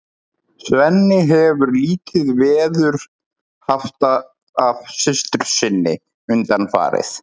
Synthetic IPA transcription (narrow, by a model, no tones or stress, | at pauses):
svɛnːɪɦɛvʏɾliːt̪ɪðvɛːðʏɾ̥ | haft̪a | avsɪst̪ʏɾ̥sɪnːɪ̰ | ʏnt̪anfa̰ːɾɪ̰θ